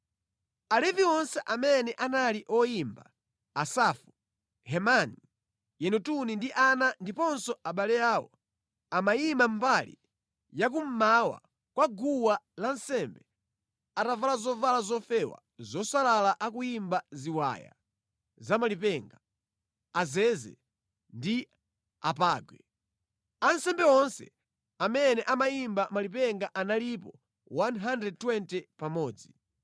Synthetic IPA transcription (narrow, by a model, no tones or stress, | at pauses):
alɛviwɔnsɛʔamɛnɛʔanaliʔɔjimbaː | safu | hɛmani | jɛnutunindiʔanandipɔnsɔaɓalɛjaːwɔ̰ | amajimam̩balḭ | jak̬um̩mawa̰ | kwaɡuwalan̩sɛmbɛ | atavalazɔvalazɔfɛwa̰ | zɔsalalaʔakujimbaziwa̰ja̰ | zamalipɛŋɡa | azɛzɛ̰ | ndi | apaːɡwɛ | ansɛmbɛɔnsɛ̰ | amɛnɛʔamajimbamalip̬ɛŋɡaʔanalipɔ | wanɦandɛd̚twɛntɛpamɔːd͡zi